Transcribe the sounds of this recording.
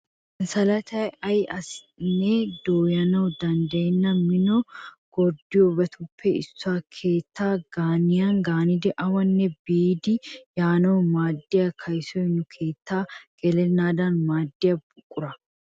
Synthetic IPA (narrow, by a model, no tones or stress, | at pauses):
nsɐlɐt̪ɐjɐjɐs | nːɛd̪oːjɐnɐwd̪ɐnd̪ɐjɛnːɐmɪnɔɡ̥ɔɾd̪ɪjɔbɐt̪ʰʊpʰːɛɪ̰sːʊaːkʰeːt̪ːaːɡ̥aːnɪjanɡaːnɪd̪ɛʔɐwɐnːɛbiːd̪ɪjaːnɐwmaːd̪ːɪjakʰɐjsɔjnʊkʰe̞ːt̪ːaːɡ̥ɛlɛnːaːd̪ɐnmaːd̪ːɪjɐbʊkʼːʊɾɐ